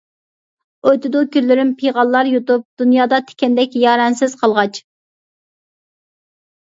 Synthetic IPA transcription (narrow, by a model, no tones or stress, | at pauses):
ojt̪ɪd̪ʊkʲylːyɾɪmpʰijʁɑlˠːɑɾjot̪up̚d̪̥unjɑːd̪ɑt̪ʰe̥kʲɛnd̪ɛkʲjɑːɾɛnsɪz̥qʰɑlˠʁɑt͡ʃ